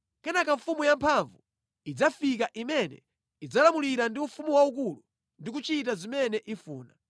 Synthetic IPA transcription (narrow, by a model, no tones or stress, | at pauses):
kɛnakaɱfumujampʰaɱvu | id͡zafikaʔimɛnɛ̰ | id͡zalamuliɾandiufumuwaukulu | ndik̬ut͡ʃit̬azimɛnɛʔifuːna